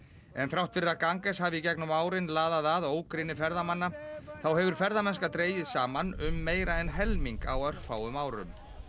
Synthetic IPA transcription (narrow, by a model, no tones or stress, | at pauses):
ɛnθɾawht̪fɪɾakaŋkɛshavɪicɛknʏmaːwɾɪnlaːðaðaðoːwkɾɪnɪfɛɾðamanːaθawɦɛvʏɾ̥fɛɾðamɛnskat̪ɾeːjɪðsaːmanʏmːeːjɾaɛnɦɛlmiŋka̰wœr̥kfa̰ːwʏmaːwɾʏ̰m